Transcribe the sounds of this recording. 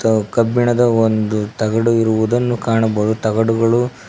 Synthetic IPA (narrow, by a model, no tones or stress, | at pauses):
kɐbːiɳɐd̪ɐond̪ut̪ɐɡɐɽuiɾuʋud̪ɐnːukaːɳɐbɐːd̪ut̪ɐɡɐɽuɡɐɭu